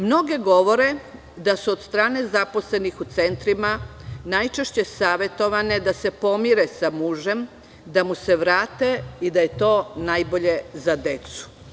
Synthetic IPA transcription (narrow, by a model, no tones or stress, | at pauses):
mno̞ɡe̞ɡo̞ʋo̞ɾe̞ | d̪asuod̪st̪ɾaːne̞zapo̞sle̞nixut̪se̞nt̪ɾimanajt͡ʃe̞ʃt͡ɕe̞saːʋe̞t̪o̞ʋane̞d̪ase̞po̞miɾesamuːʒe̞m | d̪amuse̞ʋɾaːt̪eid̪aje̞t̪o̞ːnajbo̞ʎe̞zad̪e̞t̪su̥